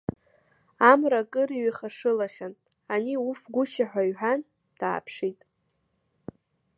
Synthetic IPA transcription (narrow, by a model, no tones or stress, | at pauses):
amrakʼɨɾiɥaχaʂɨlaχʲan | aniufɡʷʊʃaħᶣʷaɥħan | d̥a̰ːpʰʂitʼ